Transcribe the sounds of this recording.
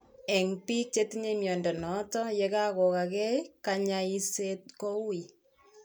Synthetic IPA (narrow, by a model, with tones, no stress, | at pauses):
ɛ˨ŋpi˦k̚t͡ʃe˦tiɲe˦mjɔ˨ndɛ˨nɔ˨˦tɔ˦jɛ˦ka˦kɔ˨ka˨kɛ˦ka˨ɲai˦set̚kɔ˦wi˨